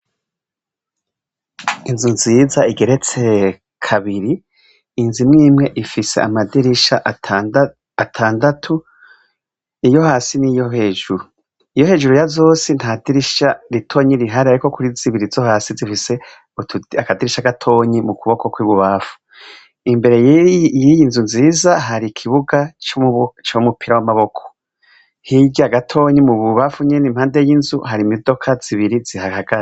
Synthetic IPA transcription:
inzuziːzaiɡe̞ɾe̞t͡se̞ | kʰaβiɾiː | nzimŋiːmŋe̞ʔifise̞̰ʔamadiɾiʃaʔ | atʰaːndatʰu | ijo̞haːsinijoɦeːʒuɾu | ijo̞he̞ːʒuɾujazo̞ːsinthadiɾiʃaɾitʰo̞ːɲiɾiɦaɾiaɾiko̞kuɾiz̥iβiɾizohaːsizifise̞ | utakadiɾiʃaɡatʰo̞ːɲimukuβo̞kokwiβuβafu̥ | imbe̞ɾe̞jjijinzunziːzaɦaɾikʰiβuɡat͡ʃot͡ʃomupiɾawamaβo̞kʰo̥ | hiɟaɡatʰo̞ːɲimuβuβafuɲenim̥haːndejinzuhaɾimodo̞kʰaz̥iβiɾizihahaɡ̥aɾe

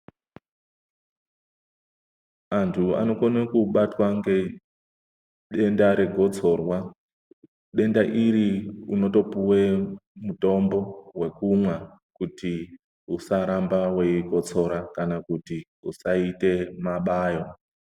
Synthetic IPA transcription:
antʰua̰no̞konakuɓatwaŋɡe̞ | ɗe̞ndaɾe̞ɡʱo̞t͡so̞rwa | ɗe̞ndaʔiɾiuno̞to̞puwemuto̞mbo̞we̞kumwa | kuti | usaɾambawe̞iɡʱo̞t͡so̞ɾakanakuti | usaite̞maɓaːjo

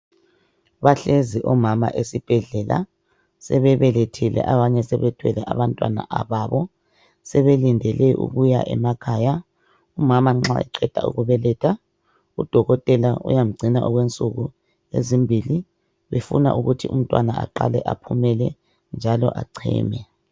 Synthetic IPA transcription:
βaɬeziʔɔmama̰ʔesib̥ʱɛɮɛla̰ | sɛβɛβɛletʰilɛ̰ʔaβaɲɛsɛβɛtʰwɛlɛʔaβantʼwa̰na̰ʔaβaːβɔ | sɛβelindʱɛlɛʔṵɣuja̰ʔɛmakʰaːja | umamaŋ͡ǁa̰ḭǃɛd̥ʱa̰ṵɣuβɛlɛːtʰa | ud̥ʱɔɣɔtʼɛlaṵjam̩ɡ͡ǀʱinaʔɔɣwent͡sʼuɣu | ḛzimbʱili | βefṵna̰ʔuɣutʰium̩tʼwanaa̰ǃa̰lɛʔapʰumɛlɛ | nd͡ʒʱalɔ̰ʔa̰ǀʰḭːmɛ

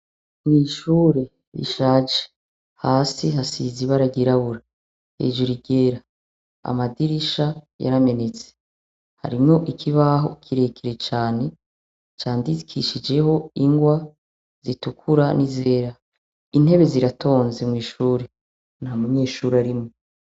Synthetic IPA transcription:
mŋiːʃuːɾe̞ | ɾḭʃaːd͡ʒe̥ | haːsiɦasiziβaɾaɡiɾaβuɾa | hḛːd͡ʒoɾiɡe̞ɾa | a̰madiɾiʃaja̰ɾame̞ne̞t͡se̥ | ha̰ɾimŋo̞ʔikʰiβaɦo̞̰kʰiɾe̞kʰeɾe̞t͡ʃaːne̞ | t͡ʃaːndikʰiʃid͡ʒe̞ho̞iŋɡwa | z̥itukʰuɾanize̞ːɾa | in̥e̞βe̞ziɾatʰo̞ːnze̞mŋiːʃuːɾe | nhamuɲe̞ːʃuɾaɾimŋo

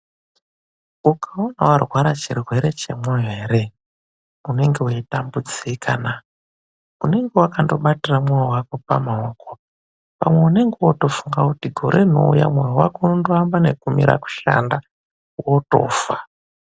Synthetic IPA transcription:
ukaonawarwaɾat͡ʃirwe̞ɾe̞t͡ʃe̞̰mweɦeːɾe̞ | une̞ŋɡeweitambud͡zikʰana | une̞ŋɡewakando̞ɓatiramwawawako̞pamaoko | pa̰mwe̞une̞ŋɡewoto̞fuŋɡakutiɡʱo̞ɾʔe̞no̞̰ṵja̰mwawawa̰kounondoambane̞kumḭɾa̰ku̥ʃa̰nda | woto̞̰ːfa

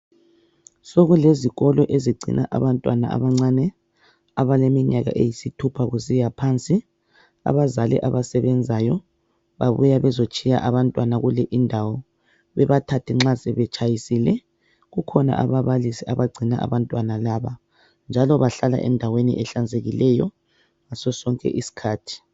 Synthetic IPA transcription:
soɣuleziɣɔlɔʔeziɡ͡ǀʱḭnʔa̰ʔa̰βantʼwa̰na̰a̰βaŋ͡ǀanɛ | aβalemiɲaɣa̰ʔḛjisitʰupʰaɣusijapʰant͡sʼi | a̰βazalḭʔaβasɛβɛnd͡zʱajɔ | βa̰βujaβɛzot͡ʃʼija̰ʔaβantʼwanaɣulɛʔindʱawɔ | βɛβatʰatʰiŋ͡ǁasɛβɛt͡ʃʼajisilɛ | ɣukʰɔna̰ʔaβaβalisiaβaɡ͡ǀʱina̰a̰βantʼwanalaβa | nd͡ʒʱalɔβaɬala̰ʔɛ̰ndʱawenḭʔɛɬand͡zʱeɣilɛjɔ̰ | ŋasɔsɔŋkʼɛ̰ʔisi̥kʰaːtʰi̥

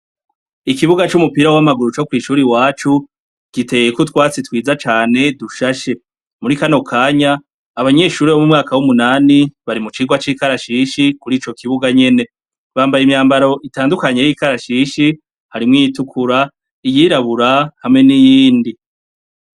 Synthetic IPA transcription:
ikiβuɡat͡ʃumupiɾawamaɡuɾut͡ʃo̞kwiːʃuːɾiwaːt͡ʃu | ɡ̥ite̞jekutwaːt͡sitwiːzat͡ʃaːne̞duʃaʃe̞ | muɾikano̞kʰaːɲaː | βaɲe̞ːʃuːɾiβomumŋaːkawumunaːniβaɾimut͡ʃiːɡwat͡ʃiːkaɾaʃiʃikuɾiːt͡ʃo̞kiβuɡaɲe̞ne̞ | βaːmbajimɲaːmbaɾo̞ʔitaːndukaɲe̞jikaɾaʃiːʃi | haɾimŋijitukʰuɾa | ijiɾaβuɾahamŋe̞nijiːndi

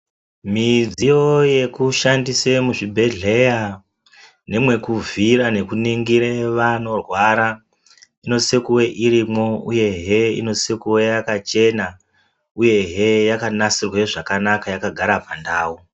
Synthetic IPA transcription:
mid͡zijo̞je̞kuʃandise̞muʐibʱe̞ɮe̞ja | ne̞mwe̞kuviɾane̞kuniŋɡiɾe̞ʋano̞rwaɾa | ino̞sekuwe̞ʔiɾimo̞ṵje̞ɦeḭno̞sekuwe̞jakat͡ʃe̞na | uje̞ɦejakanasirweʐakanakajakaɡʱaɾapandaːwu

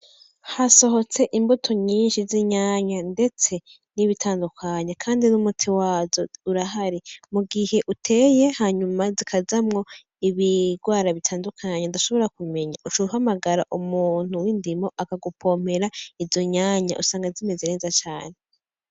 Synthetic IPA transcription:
haso̞ɦo̞t͡se̞ʔimbotʰo̞ɲiːnʃiziɲaːɲande̞t͡se̞ | niβitʰaːndukʰaɲekʰaːndinumutʰiwaːzouɾaɦaɾimuɡihe̞ʔutʰe̞ːje̞haɲumazikʰazamŋo̞ | iβiɡwaːɾaβitʰaːndukʰaɲadaʃo̞βo̞ɾak̚ume̞ɲaut͡ʃouhamaɡaɾaʔumuːn̥huwindimo̞ʔakaɡupʰo̞ːm̥e̞ɾaivzo̞ɲaːɲa̰ʔusaːŋɡazime̞zeɾezat͡ʃaːne

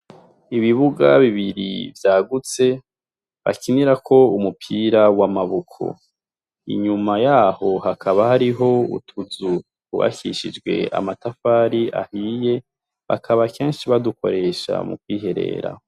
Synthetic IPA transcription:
iβiβuɡaβiβiɾḭvjaːɡut͡se̞ | βa̰kʰiniɾakʰo̞umupʰiːɾawamaβukʰo̞̰ | ḭɲumajaːho̞hakʰaβahaɾiɦo̞ṵtʰuzu | kṵβa̰kiʃid͡ʒɡwe̞̰a̰matafaːɾiʔa̰hije̞ | βa̰kʰaβake̞ːnʃiβaduko̞̰ɾe̞ːʃa̰mṵkwiːɦe̞ɾe̞̰ːɾa̰

